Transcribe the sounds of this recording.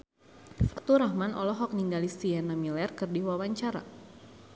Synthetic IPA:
fat̪uɾahmanɔlɔɦɔk̚niŋɡalisiɛnamilɛrkɨrdiwawaɲt͡ʃaɾa̰

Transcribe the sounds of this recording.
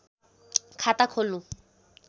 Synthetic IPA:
kʰatakʰolʊ

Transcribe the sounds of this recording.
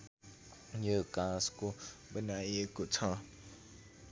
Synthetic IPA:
jəkãskubənajekut͡sʰã

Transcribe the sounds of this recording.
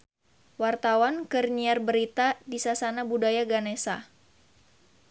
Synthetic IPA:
wart̪awankərniarbəɾit̪adisasanabudajaɡanesa

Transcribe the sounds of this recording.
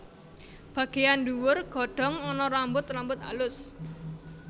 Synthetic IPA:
b̥ä̤ɡ̥ejanduwʊrɡ̥ɔ̤ɖ̥ɔ̤ŋɔnɔɾambʊt̪rambʊt̪a̰lʊs

